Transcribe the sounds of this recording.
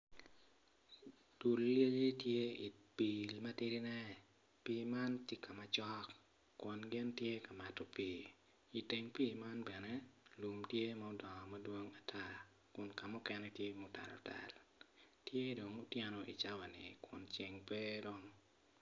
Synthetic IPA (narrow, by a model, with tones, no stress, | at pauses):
tu˨lje˦ji˦tje˦i˨pi˨lma˦tɪ˦ɾɪ˦nɛ˦ | pi˦ma˦nti˦kʰa˨ma˨t͡ʃɔ˦kː | wɔ˨nɡɪ˦ntje˦ka˨ma˨tɔ˦piː˨ | i˨te˨ŋpiː˦˨ma˦nbɛ˨nɛ˦lu˨mtje˦ma˨o˦dɔ˨ŋɔ˨ma˦dwo˦ŋa˨tʰa˦ | kʊ˨nka˨mʊ˦kɛ˦nɛtje˦mʊ˨ta̰˨lɔ̰˨ta̰˨ltje˦do˨ŋo˦tjɛ˦nɔ˨ʔḭ˨t͡ʃa˦wa˨nɪ˨kwʊ˨nt͡ʃe˨ŋpe˦do˦ŋ